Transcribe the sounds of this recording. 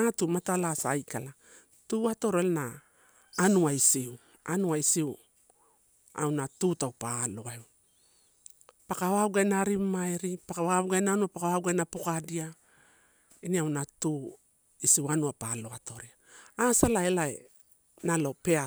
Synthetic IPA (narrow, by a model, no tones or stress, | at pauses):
atumatalasaːjkala | tuːato̞ɾelnaː | nuaisiu | anuaisiu | a̰wnatutawpalo̞ew | pakaβauɡajnaɾimaeɾipakaβaβuɡajnaːnuapakawauɡajnapokadia | iniawnatu | isiwanuapalo̞ato̞ɾiaasalaelaḛ | nalo̞pe̞a